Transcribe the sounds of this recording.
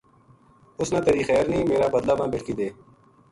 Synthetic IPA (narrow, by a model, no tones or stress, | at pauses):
ʊsnãːt̪eɾiːxɛːɾnĩːmeːɾaːbəd̪laːmãːbɪʈkiːd̪eː